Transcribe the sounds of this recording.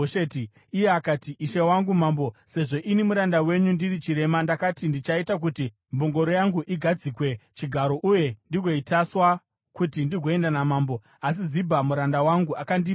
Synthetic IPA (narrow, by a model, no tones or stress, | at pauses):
ʃeti | ijeakatiiʃewaŋɡumaːmbo̞se̞ʐo̞ʔinimuɾandawe̞ɲundirit͡ʃiɾe̞mandakatindit͡ʃaitak̬uti | mboŋɡo̞ɾojaŋɡuʔiɡʱad͡zikwe̞t͡ʃiɡʱaɾo̞ʔuje̞ndiɡʱo̞itaswa | kutindiɡʱo̞e̞ndanamaːmbo̞ | as̬izibʱamuɾandawaŋɡuakandi